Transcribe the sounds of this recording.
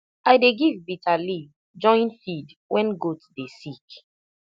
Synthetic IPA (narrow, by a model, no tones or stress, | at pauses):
aɪdeɡivbitʰaliv | d͡ʒɔ̃ɪ̃nfid | wɛ̃nɡotdesik